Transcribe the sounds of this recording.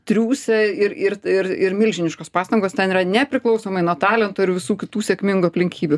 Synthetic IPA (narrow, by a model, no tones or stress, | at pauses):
t̪ʲɾʲuːsʲɛɪɾɪɾɪɾɪɾmʲɪlʲʒʲɪnʲɪʃkoːspɑːst̪ɐŋɡoːst̪ʲɛnɪɾɐnʲɛpʲɾʲɪklˠɒʊsoːmɐɪnuɔt̪ɑːlʲɛnt̪oːɪɾʋʲɪsuːkʲɪt̪uːsʲeɛkmʲɪŋɡuɐpʲlʲɪŋʲkʲiːbʲʊ